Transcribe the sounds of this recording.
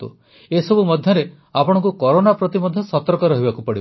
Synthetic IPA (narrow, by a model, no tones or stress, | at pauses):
t̪ṵ | esɔbumɔd̪ʱjɔɾe | apɔɽ̃ɔ̃ŋkukɔɾonapɾɔt̪imɔd̪ʱjɔsɔt̪ɔɾkɔɾɔɦibakupɔɽi